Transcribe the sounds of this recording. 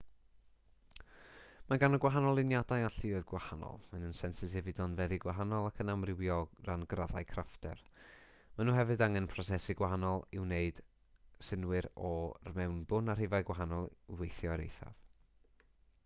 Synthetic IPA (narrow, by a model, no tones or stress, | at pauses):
maɡanəɡwaɦanɔlˠɪnjadajaɬɪoɨðɡwahanɔ̰lˠənənsɛnsɪsɛvɪdɔnvɛðɪɡwaɦanɔlˠakʰənamrɪwjɔranɡraðajkʰraftʰɛ̰r | manuːɦɛvɨdaŋɛnpʰrɔsɛsiɡwaɦanɔlˠɪwneɨd̥ | sɪnwɨɾɔrmɛwnbʊnar̥ɪvaɨɡwaɦanɔlˠwejθjɔɾḛjθa̰v